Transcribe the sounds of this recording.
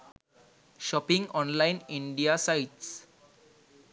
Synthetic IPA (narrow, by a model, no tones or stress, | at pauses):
ʃɔpɪ̃ŋɡɔ̃ːnlãɪ̃nɪ̃ɳɖiasaɪʈs